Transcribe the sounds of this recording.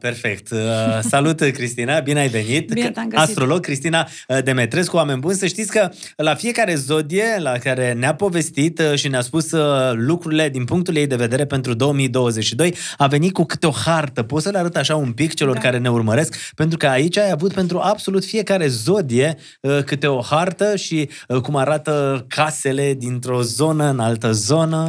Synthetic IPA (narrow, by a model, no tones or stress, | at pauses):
pe̞rfe̞kt̪salut̪kɾist̪inabineajve̞nit̪ast̪ɾo̞lo̞ɡ̚kɾist̪ina | d̪e̞me̞t̪ɾeskuwame̞nʲbunsəʃt̪it̪sʲkə | lafije̞kaɾe̞zo̞d̪ije̞lakaɾe̞neapo̞ve̞st̪it̪ʃineaspuslukɾuɾile̞d̪inpuŋk̚t̪ulje̞jd̪e̞ve̞d̪e̞ɾe̞pe̞nt̪ɾud̪o̞omijd̪o̞wəze̞t͡ʃʃid̪o̞jave̞nit̪̚kukɨ̥t̪eo̞hart̪əpot̪səleaɾət̪aʃaumpikt͡ʃe̞lo̞rkaɾe̞ne̞urməɾe̞skpe̞nt̪ɾukəait͡ʃʲajavut̪̚pe̞nt̪ɾuʔabso̞lut̪fije̞kaɾe̞zo̞d̪ije̞ | əkɨt̪e̞o̞hart̪əʃikumaɾat̪əkʰase̞le̞d̪int̪ɾo̞zo̞nəɨnalt̪əzo̞nə